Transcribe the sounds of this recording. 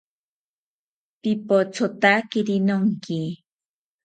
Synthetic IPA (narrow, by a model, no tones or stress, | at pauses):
pɪpot͡sot̪akɪɾɪnoŋkɪ